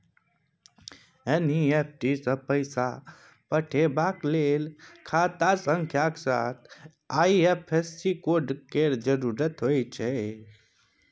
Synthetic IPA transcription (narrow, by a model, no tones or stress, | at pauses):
eniep̚ʰʈisə̃pəɪsa | pəʈʰebaklelkʰat̪asə̃ŋkʰjakesa̰t̪ʰ | aiepʰesːikoɖkeɾd͡ʒəɾuɾət̪ɦojt͡ʃʰɛ